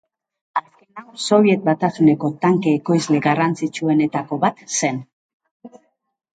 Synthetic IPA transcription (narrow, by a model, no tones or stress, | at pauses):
aske̞nawso̞β̞je̞t̪̚bat̪asune̞ko̞t̪aŋkeːko̞jzle̞ɣarant͡sit͡ʃue̞ne̞t̪ako̞βat̪se̞n